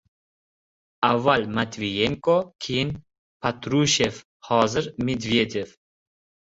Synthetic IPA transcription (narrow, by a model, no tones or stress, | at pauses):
avalʲmat̪vʲijɛŋkɔkʰin | pat̪ɾuɕef | hɑzəɾmʲid̪vʲjed̪ʲef